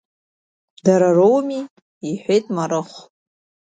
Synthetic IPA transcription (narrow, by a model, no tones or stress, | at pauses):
daɾarowmi | iħᶣʷejtʼmaɾɨχʷ